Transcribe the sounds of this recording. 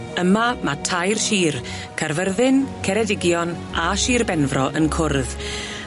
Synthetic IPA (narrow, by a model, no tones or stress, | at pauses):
əmamatʰajrʃiːr | kʰarvərðɪnkʰɛɾɛdɪɡjɔn | aʃiːrbɛnvrɔʔənkʰʊrð